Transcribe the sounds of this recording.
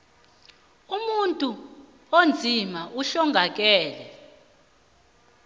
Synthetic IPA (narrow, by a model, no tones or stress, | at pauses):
umuntʼu | ond͡zʱimaʔuɬɔŋɡʱak̬ʼɛːlɛ